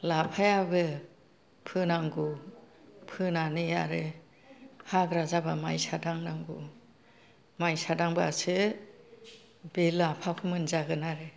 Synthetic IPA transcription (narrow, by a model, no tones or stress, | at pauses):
lapʰajabɯ | pʰɯnaŋɡu | pʰɯnanɯjaɾɯ | haɡɾazabamajsadaŋnaŋɡu | majsadaŋbɯa̰sɯ | belːapʰapʰɯmɯnzaɡɯnaɾɯ